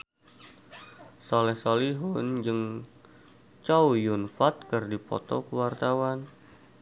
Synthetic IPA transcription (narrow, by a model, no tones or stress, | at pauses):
sɔlɛhsoliɦʊnd͡ʒɨŋ | t͡ʃawjʊnfat̪̚kərdipɔ̰t̪ɔ̰kəwart̪awan